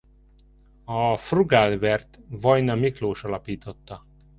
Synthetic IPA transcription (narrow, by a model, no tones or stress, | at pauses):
ɒfruɡaːlvɛrt̪vɒjnɒmikloːʃɒlɒpiːt̪o̞t̪ːɒ